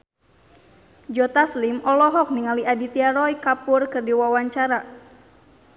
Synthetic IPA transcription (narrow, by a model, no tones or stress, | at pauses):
d͡ʒɔt̪aslimɔlɔɦɔk̚niŋaliadit̪iaɾɔjkapurkɨrdiwawaɲt͡ʃaɾa